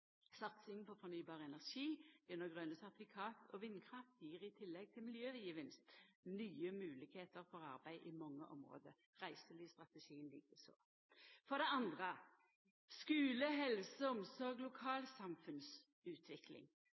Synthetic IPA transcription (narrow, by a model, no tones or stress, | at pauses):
sɑt̪sɪŋpʰɔfɔnyːbɑːʁəɛnæʁʂiːʉnːəɡʁønəsæt̪ɪfɪkʰɑːt̪ʰɔ̰ʋɪnkʰʁɑft̪jiːʁɪt̪ʰɪlːɛɡ̚t̪ʰɪlmɪljøːʋəjiːʋɪnst̪nyːəmʉːlɪɡ̥heːt̪əʁfɔʁɑʁbæɪʔɪmɑŋːə̰ʔɔ̰mʁo̰ːd̪ə | ʁæɪsəlist̪ʁɑt̪əʃiːənlḭːkəso̰ː | fɔd̪ɛɑnd̪ʁə | skʉːləɦɛlsəɔmsɔʁɡlʊkʰɑːlsɑmfʉns | ʉːt̪ʰʋɪklɪ̰ŋ